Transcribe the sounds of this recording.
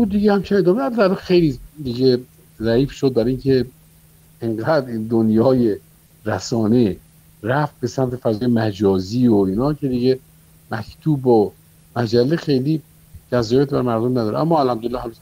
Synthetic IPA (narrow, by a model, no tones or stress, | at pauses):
buːd̪iɟehæmt͡ʃʰined̪ɒːmed̪æɾd̪ælexejlid̪iɡe | zæiːfʃod̪̚bæɾinkʰe̞ | eŋɡæd̪id̪onjɒːje | ɾæsɒːne̞ | ɾæft̪̚be̞sæmt̪ʰefæzːjemæd͡ʒɒːziːoiːnɒːkʰe̞d̪iɡe | mækʰt̪ʰuːbo | mæd͡ʒælːexejli | d͡ʒæzɒːjet̪ʰbæɾmæɾd̪omnæd̪ɒːɾḛʔæ̰mːɒːælhæmd̪olelːhæm